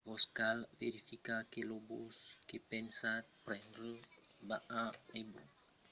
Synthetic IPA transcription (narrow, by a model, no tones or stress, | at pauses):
vɔskalveɾifikakeloboskepensapɾɛ̃ndbaaebṵ